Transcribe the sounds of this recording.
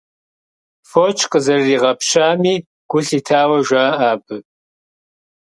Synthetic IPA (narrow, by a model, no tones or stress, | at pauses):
foːt͡ʃʰʼqʼəzɐriːʁɐpʃaːmiː | ɡ̥ʷʊɬiːtʰaːwɐʒʷaːʔaːbɨ